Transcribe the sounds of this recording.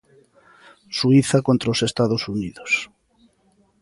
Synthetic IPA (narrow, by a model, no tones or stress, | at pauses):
suiθakont̪ɾaosest̪aðosuniðos